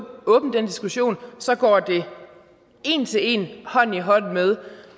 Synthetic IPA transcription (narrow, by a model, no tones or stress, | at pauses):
ɔ̽ːb̥n̩d̥end̥isɡ̥uɕo̝̰ːnsɒ̽ɡ̥ɒ̰ːd̥e̝ | e̝ːnt͡sʰe̝le̝̰nhɒ̽n̰iɦɒ̽n̰̩með̞ˠ